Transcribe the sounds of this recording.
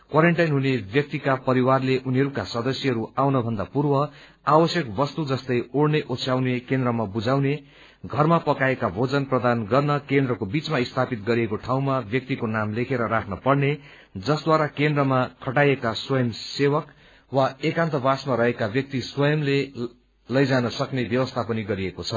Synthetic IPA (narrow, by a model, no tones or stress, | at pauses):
kwaɾeɳʈajnɦunebjʌk̚t̪ikapʌɾiwarleʔuniɦʌɾukasʌd̪ʌsjʌɦʌɾuawnʌbʱʌnd̪apurbʌ | awʌsjʌkbʌst̪ud͡zʌst̪ʌjoɽneʔosʰjawnekend̪rʌmabud͡zawne | ɡʱʌrmapʌkaekabʱod͡zʌnprʌd̪anɡʌrnʌkend̪rʌkobit͡smaist̪ʰapit̪ɡʌɾiekoʈʰaw̃mabjʌk̚t̪ikonamlekʰeɾʌɾakʰnʌpʌɽne | d͡zʌsd̪waɾakend̪rʌmakʰʌʈajekaswʌjʌmsewʌk | waekãnt̪ʌbasmaɾʌɦekabjʌk̚t̪iswʌjʌmle | lʌjd͡zanʌsʌknebjʌwʌst̪ʰapʌniɡʌɾiekot͡sʰʌ